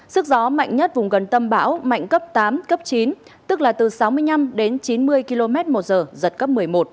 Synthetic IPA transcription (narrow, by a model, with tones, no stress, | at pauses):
sɨ˦˥k̚zɔ˨˦ma̰˧˨jŋɲə˦˥t̚vʊ˨˩ŋ͡mɣə˨˩nt̪ə˧mɓa̰ː˧˥wma̰˧˨jŋ̟kə˦˥p̚t̪aː˨˦mkə˦˥p̚t͡ɕi˨˦n | t̪ɨ˦˥k̚laː˨˩t̪ɨ˨˩sa˨˦wmɨ˧əjna˧mɗe˨˦nt͡ɕi˨˦nmɨ˧əjki˧lo˧mɛ˦˥t̚mo˨˩t̚zəː˨˩zə˨˩t̚kə˦˥p̚mɨ˨˩əjmo˨˩t̚